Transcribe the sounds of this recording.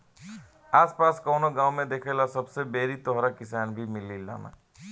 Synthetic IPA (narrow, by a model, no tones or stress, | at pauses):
aːspaːskɔʊnoɡãːwmẽd̪eːkʰelasɐbsebeːɾit̪ɔɦɾakɪsaːnbʱimɪlila̰na̰